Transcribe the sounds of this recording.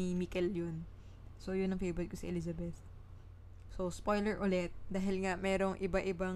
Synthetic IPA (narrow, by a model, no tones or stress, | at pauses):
ɪmikɛljon | so̞jʊnːɐŋfejbɾɛt̪̚kosiʔɛlizɐbɛθ | so̞spojlɛɹʔʊlɛt̪̚d̪aːɦɪlŋamɛːɾo̞ŋʔɪbaʔɪba